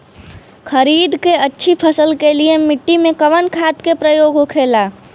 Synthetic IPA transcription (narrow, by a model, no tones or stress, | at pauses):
xʰəɾiːd̪keətːʃʰipʰəsəlkeliemɪʈːimẽkəʋənkʰaːt̪kepɾəjoːɡokʰeːlaː